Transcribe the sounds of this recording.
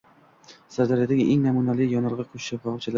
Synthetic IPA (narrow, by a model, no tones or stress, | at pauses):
saɾd̪aɾjad̪aɡʲɪʔeŋnamunalɪjɒnɨlˠʁɨqʰoʃɪ̥ʃafat͡ʃʰala